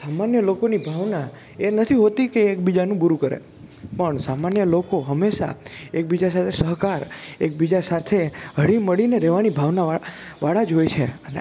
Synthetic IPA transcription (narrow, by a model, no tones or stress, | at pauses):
samanjəlokonibʱaʋna | enət̪ʰiɦot̪ikeːk̚bid͡ʒanũbuɾukəɾḛ | pəɳsamanjəlokoɦəmːeʃa̰ek̚bid͡ʒasat̪ʰesəɦkaɾek̚bid͡ʒasat̪ʰeɦəɽiməɭineɾɛʋanibʱaʋnaa | ʋaɽad͡ʒɦojt͡ʃʰeəne